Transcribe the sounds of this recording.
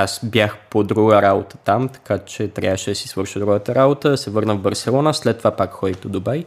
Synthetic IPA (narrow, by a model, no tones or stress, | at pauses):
asbjaxpod̪ɾuɡəɾabot̪ə̥t̪amt̪ɐ̥kat͡ʃɛt̪ɾʲja̰vəʃɛd̪ɐsisvɤɾʃəd̪ɾuɡət̪əɾabot̪əɐsɛvɤɾnəvbɐɾsɛlˠɔnəslɛt̪ːovapakxɔjt̪od̪obɛj